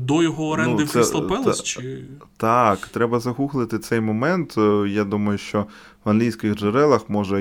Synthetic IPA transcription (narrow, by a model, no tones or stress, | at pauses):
d̪ɔjɔɦɔɔɾɛnud̪ɪsɛsɐlpɛlˠɐt͡ʃɪt̪ɑkt̪ɾɛbɐzɐɦuxlˠɪt̪ɪt̪sɛjmɔmɛnt̪jad̪umɐjʊʃt͡ʃɔ | ʋɐnlʲijsʲkɪɣʒeɾɛlˠɐxmɔʒɛ